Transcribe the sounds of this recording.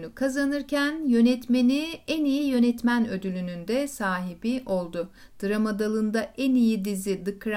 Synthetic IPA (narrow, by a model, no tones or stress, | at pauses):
nykʰazanɯɾcʰænjø̞nɛt̪me̞niænijijø̞nɛt̪mænø̞d̪ylʲynynd̪ɛsaːɦibiʔo̞lˠd̪ʊ | d̪̥ɯɾamad̪alˠɯnd̪aʔɛnijid̪izid̪ɯkʰɾ